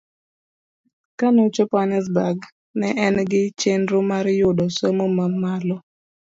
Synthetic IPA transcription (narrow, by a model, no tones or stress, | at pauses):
kanot͡ʃopanɛs̬baɡ | nɛʔɛnɡɪt͡ʃenɾʊmaɾjʊdɔsomomamalɔ